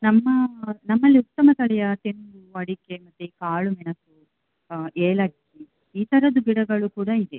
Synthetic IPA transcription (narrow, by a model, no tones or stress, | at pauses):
nɐmːɐnɐmːɐlːiut̪ːɐmɐt̪ɐɭɛjɐt̪enbuɐɽikemɐt̪ːukaːɭumɛnɐsu | eːlɐki | iːt̪ɐɾɐd̪ubiɽɐɡɐɭukuːɽɐid̪e